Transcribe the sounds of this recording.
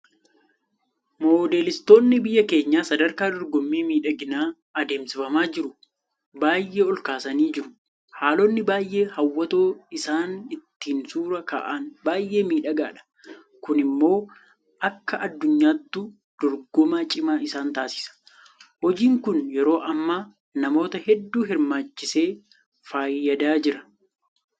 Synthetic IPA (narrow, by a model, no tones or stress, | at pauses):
moːd̪e̞ːlɪst̪o̞ːnːɪbɪjːɐke̞ːɲːaːsɐd̪ɐɾkaːd̪ɔɾɡɔmːiːmiːᶑɐɡɪnaː | ɐd̪e̞ːmsɪfɐmaːd͡ʒɪɾʊ | baːjʔːe̞ːɔlkaːsɐniːd͡ʒɪɾʊ | haːlɔnːɪbaːjʔe̞ːhɐwːɐt̪oːɪsaːnɪt̪ːiːnsuːɾɐka̰ːʔanbaːjʔe̞ːmiːᶑɐɡaːᶑɐ̥ | kʊnɪmːo̞ː | ʔɐkːɐʔɐd̪ːʊɲːaːt̪ːu | d̪̥ɔɾɡɔmaːt͡ʃʼɪmaːɪsaːnt̪aːsɪ̥sɐ̥ | hɔd͡ʒiːŋkʊnjɛɾo̞ːʔɐmːaː | nɐmo̞ːt̪ɐhɛd̪ːuːɦɪɾmaːt͡ʃːɪse̞ː | faːjːɐd̪aːd͡ʒɪɾɐ̥